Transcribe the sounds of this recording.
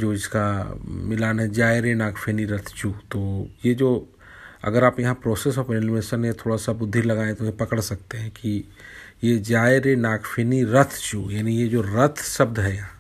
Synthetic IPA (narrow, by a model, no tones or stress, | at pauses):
d͡ʒoːɪskamɪlaːnɦɛd͡ʒaːɪɾenaːkʰfʰeːniɾɐt̪ʰt͡ʃuːt̪oːjed͡ʒoː | ɐ̰ɡəɾaːpjɐɦãpɾɔːsesɔpɾɪnmeːʃənet̪ʰoːɽasabʊd̪ʱːilɐɡaːẽt̪ojepɐkəɽsɐk̚t̪eɦɛ̃ki | jed͡ʒaːeɾenaːkʰfʰeːniɾɐt̪ʰt͡ʃuːjaːnijed͡ʒoːɾɐt̪ʰsɐb̚d̪ɦɛjɐɦã